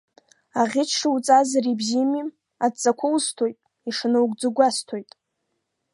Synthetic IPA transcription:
aʁʲɪt͡ʃʰʂɨwut͡sʼazrebzimi | adt͡sʼakʷʰʊwstʰojtʼ | iʂnɨwɡʷʼd͡zɨɡʷastʰo̞jtʼ

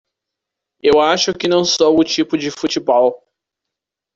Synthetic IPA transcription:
ewaʃʊkɪnɐ̃w̃sɔʊt͡ʃipʊd͡ʒɪfut͡ʃibɔw

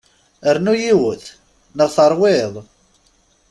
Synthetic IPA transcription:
əɾnujiwəθ | nəʁθɑɾˤwɪðˤ

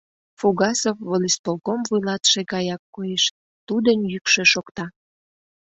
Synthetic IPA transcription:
fuɣɑsofvolist̪olkomvujlɑt̪ʃeɣɑjɑkːojeʃ | t̪ud̪ənjykʃeʃokt̪ɑ

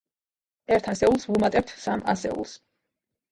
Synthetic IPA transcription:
ɛɾt̪ʰasɛulˠsvumat̪ʼɛp̚t̪ʰsamʔa̰sɛ̰ṵlˠs

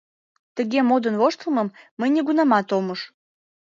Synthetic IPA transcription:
t̪əɣemod̪ənvoʃt̪əməmːəjnʲeɣunɑmɑt̪oməʃ

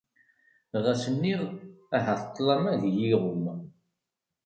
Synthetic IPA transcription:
ʁæsənːiʁæɦəθə̥t̪ˤːlɑmæðijiʁʊm

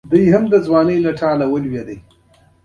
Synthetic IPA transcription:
d̪ujɦamd̪əzwɑːnəjlaʈʰɑːlawəlwed̪əj

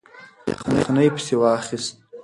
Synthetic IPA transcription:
qʰənχʰnajpʰsiwaːχistʼ

